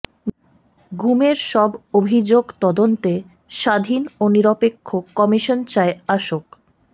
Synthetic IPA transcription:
ɡumeɾʃɔbobʱid͡ʑoɡt̪ɔd̪ont̪e | ʃad̪ʱinoniɾopekʰːoɔmiʃont͡ɕaeaʃok

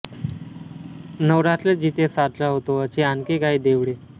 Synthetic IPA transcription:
nəʋɾat̪led͡ʑit̪jet̪sad̪laɦot̪oət͡ɕeankekaɦiːd̪eʋɽe

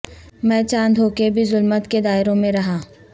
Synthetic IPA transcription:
mɛ̃ːt͡ʃãːnd̪ʱɦoːkebʱizʊlmət̪ked̪aːɪɾõmẽɾɐɦãː

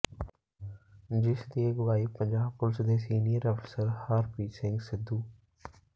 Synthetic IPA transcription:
d͡ʒɪsd̪ieɡʋaːiːpə̃ɲd͡ʒaːbpʊlɪsd̪eːsiːnijəɾəfʰsəɾhaːɾpiːsɪ̃ŋɡsɪd̪uː

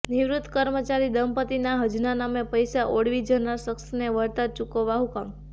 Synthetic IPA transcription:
niʋɾʊt̪ʰːkəɾmət͡ʃaɾid̪əmpət̪inaɦəd͡ʒnanamepəjsaʔoɽʋid͡ʒənasəksneʋəɾt̪at͡ʃukoʋaɦukam

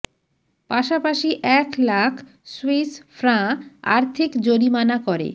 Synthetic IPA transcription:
paʃapaʃiʔɛklakʰ | swisfɾãa̰ɾt̪ʰikd͡ʑoɾimanakoɾḛ

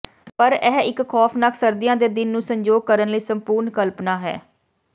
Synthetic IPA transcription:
pəɾɛːɪkkʰɔːpʰnakʰsəɾd̪ɪjãːd̪eːd̪ɪnːũːsəɲd͡ʒoːɡ̚kəɾənləiːsəmpuːɾnkəlpnaːɦɛ̰ː

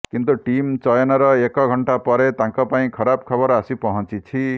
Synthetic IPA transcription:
kint̪uʈimt͡sʌjʌnʌɾʌekɔɡʱʌɳʈapʌɾet̪ãŋkʌpaĩkʰʌɾabkʰʌbʌɾasipʌɦʌ̃nt͡sit͡sʰi

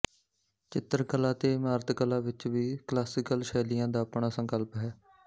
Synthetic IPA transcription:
t͡ʃɪt̪əɾkəlaːt̪eːmaːɾət̪kəlãːʋɪt͡ʃʋiːklaːsɪkəlʃɛːlɪjãːd̪aːəpɳaːsə̃ŋkəlpɦɛː

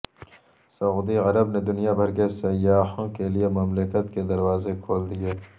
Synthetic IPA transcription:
sɐuːd̪iʁɐɾəbned̪ʊnijabʱɐɾkesɐjːaːhõkelijemɐmlɪkət̪ked̪ɐɾwaːzekʰoːld̪ijeː

